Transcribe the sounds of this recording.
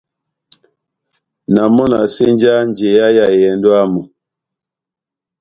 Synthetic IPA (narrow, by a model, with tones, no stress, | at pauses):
na˨mɔ˦na˨se˦n˦d͡ʒa˦n˨d͡ʒe˨ja˦ja˨jɛ˨ndo˦a˦mu˨